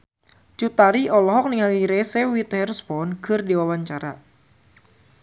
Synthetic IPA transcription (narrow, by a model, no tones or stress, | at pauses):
t͡ʃut̪aɾiʔɔlɔɦɔk̚niŋaliɾɛsɛwit̪ɛrspɔnkʰɨrdiwawaɲt͡ʃaɾa̰